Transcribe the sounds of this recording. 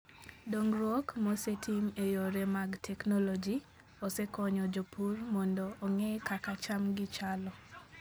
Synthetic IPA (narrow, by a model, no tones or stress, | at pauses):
doŋɾwɔkmɔsetʰimejoɾemaɡtʰɛknɔlɔd͡ʒi | osɛkɔɲɔd͡ʒopurmɔndɔʔːŋekakat͡ʃamɡɪt͡ʃalɔ